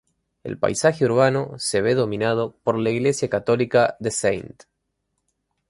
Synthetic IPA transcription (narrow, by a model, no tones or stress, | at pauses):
e̞̰lpa̰jsaxeuɾβano̞se̞βe̞ðo̞mĩnað̞opo̞ɾlaiɣle̞sjakat̪o̞likaðesejnt̪